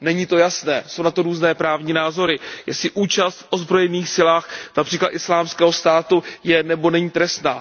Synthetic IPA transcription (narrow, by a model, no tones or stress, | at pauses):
nɛɲit̪o̞jasnɛːso̞wnat̪o̞ɾuːznɛːpɾaːvɲiːnaːzo̞ɾɪjɛ̰sɪʔuːt͡ʃast̪fʔo̞zbɾo̞jɛniːxsɪlaːxnapr̝̥iːklat̪ʔɪslaːmskɛːɦo̞st̪aːt̪ujɛnɛbo̞nɛɲit̪ɾɛst̪na̰ː